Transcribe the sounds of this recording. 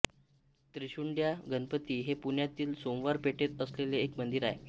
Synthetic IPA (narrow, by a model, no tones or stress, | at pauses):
t̪ɾiɕuɳɖjaɡənpət̪iːɦepuɳjat̪iːlsomʋaɾpeʈet̪əsleleːkmənd̪iɾae